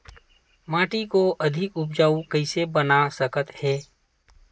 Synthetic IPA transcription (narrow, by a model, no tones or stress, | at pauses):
mãːʈikoʔɐd̪ʱɪkʊp̚d͡ʒaːukəɪsebənasəkət̪hɛː